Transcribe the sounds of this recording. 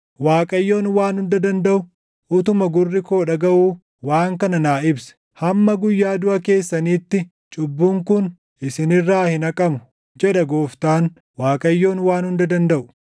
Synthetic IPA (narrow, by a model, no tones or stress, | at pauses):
waːkʼɐjːo̞ːnwaːnhʊnd̪ɐd̪ɐnd̪ɐʔʊ | ʔʊt̪ʊmɐɡʊrːɪko̞ːᶑɐɡɐʔuː | waːŋkɐnɐnaːɪbsɛ̥ | hɐmːɐɡʊjːaːd̪ʊʔɐke̞ːsːɐniːt̪ːɪ | t͡ʃʼʊbːuŋkʊn | ʔɪsɪnɪrːaːhɪnɐkʼɐmʊ̥ | d͡ʒɛᶑɐɡoːft̪aːn | waːkʼɐjːo̞ːnwaːnhʊnd̪ɐd̪ɐnd̪ɐʔʊ̥